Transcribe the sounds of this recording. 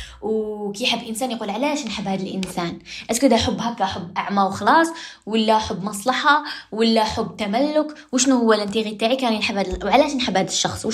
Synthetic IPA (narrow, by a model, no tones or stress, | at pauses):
wkiħəbːʔənsæːnjqulʕalæʃnħabːhæd̪əlʔə̰nsænʔæskʊd̪æħʊbːhækːæħʊbːʔaʕmæwxɑlɑsˤwəlːæħʊbːmɑsˤlɑħɑwəlːæħʊbːt̪æmælːʊkwʃnuhʊwːælʔənt̪iɣit̪aʕikænjənħabhæd̪wʕalæʃnħabhæd̪əʃːɑxsˤw